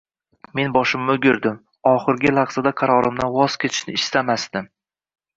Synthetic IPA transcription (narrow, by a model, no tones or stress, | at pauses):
me̞nbɒʃɪmːʊɡʲɪɾd̪ɪm | ɒχɨɾɡʲɪlˠɑʁz̥ad̪aqʰɑɾɒɾɪmd̪anwɒz̥kʲʰe̞t̪ʰɪ̥ʃnɪːst̪amast̪ɪm